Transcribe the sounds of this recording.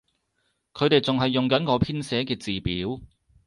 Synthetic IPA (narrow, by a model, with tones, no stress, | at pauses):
kʰɵ˨˧ɥt̪e˨jt͡sʊ˨ŋɦɐ˨jːʊ˨˩ŋkɐ˨˥nkɔː˨˧pʰiː˥nsɛː˨˥kɛː˧t͡siː˨piː˨˥w